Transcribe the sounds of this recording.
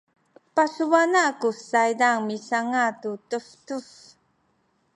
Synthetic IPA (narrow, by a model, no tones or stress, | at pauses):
pasuvanakusajdaŋmisaŋatutəftuf